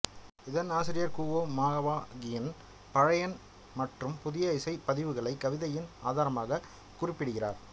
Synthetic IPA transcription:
ɪðɐnaːsɪɾɪjɐɾkuːʋoːmaːɣɐʋaːɡɪjɐn | pɐɻɐjɐn | mɐʈrɯmpʊðɪjɐɪsɐɪpːɐðɪʋɯɣɐɭɐɪkːɐʋɪðɐjɪna̰ːðaːɾɐmaːɣɐ | kʊrɪpːɪɽɯɣɪra̰ːɾ

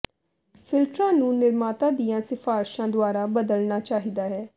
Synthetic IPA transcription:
fʰɪlʈɾãːnũːnɪɾmaːt̪ãːd̪ijãːsɪfaːɾʃãːd̪ʊaːɾaːbəd̪əlnaːt͡ʃaːɦid̪aːɦɛː

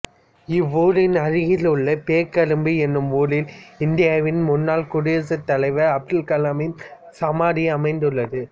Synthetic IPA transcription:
ɪʋuːlɪnɐɻɪɣɪlɯɭːɐpeːkɐɾɯmbiɛnːɯmuːlɪlɪnd̪ɪjaːʋɪnmʊnːaːlkʊɽɪsɐt̪ːɐlɐɪʋɐɐp̚ʈɪlkɐlamɪn | sɐmaːɽɪɐmɐɪnd̪ɯɭːɐðɯ

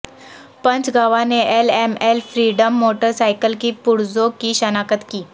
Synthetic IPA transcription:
pənt͡sɡʱaʋaneʔelemelfɾiɽəmːoʈəɾsajkəlkiːpuɽd͡zokiːɕənakət̪kiː

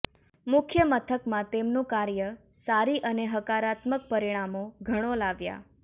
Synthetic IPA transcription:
mʊkʰjəmət̪ʰəkmãt̪emnũkaɾjə | saɾiʔəneɦəkaɾat̪mək̚pəɾiɽ̃amoɡʱəɽ̃olaʋja̰

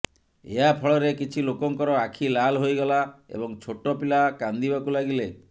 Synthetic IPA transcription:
ḛɦapʰɔɭɔɾekit͡ʃʰilokɔŋkɔɾɔakʰilalɦojɡɔlaḛbɔŋt͡ʃʰoʈɔpilakand̪ibakulaɡile

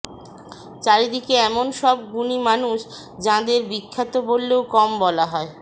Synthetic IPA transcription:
t͡ɕaɾid̪ikeɛmonʃɔb̚ɡunimanuʃ | d͡ʑãd̪eɾbikʰːat̪obolːeokɔmbɔlaɦɔe

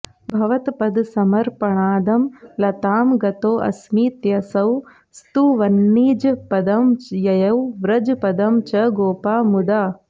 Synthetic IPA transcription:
bʱɐʋɐt̪pɐd̪sɐmɐɾpɐɳaːd̪ɐmlɐt̪aːmɡɐt̪oːʔɐ̰smiːt̪jɐsɐw | st̪uʋɐnːiːd͡ʒpɐd̪ɐmjɐjɐwʋɾɐd͡ʒpɐd̪ɐmt͡ʃɐɡoːpaːmud̪aː

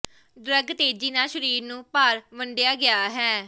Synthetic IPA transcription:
d̪ɾəɡt̪eːd͡ʒiːnaːʃəɾiːɾnũːpaːɾʋəɳɖejaːɡɪaːɦɛː

